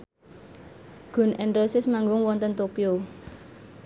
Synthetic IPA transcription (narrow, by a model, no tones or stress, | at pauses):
ɡ̥ʊ̤nʔɛnɾosɪsmaŋɡʊŋwɔnt̪ənt̪okio